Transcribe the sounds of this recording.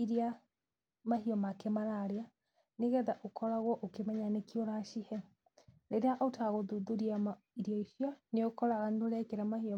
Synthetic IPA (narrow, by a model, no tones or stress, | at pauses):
iɾia | maɦiɔmakɛmaɾaɾea | neɣɛðaʔokʰɔɾaɣwɔʔokemɛɲanekioɾaʃihɛ | ɾeɾeaʔotaɣoðuðuɾiam | iɾiɔiʃjaneokɔɾaɣaneoɾɛkeɾamahiɔ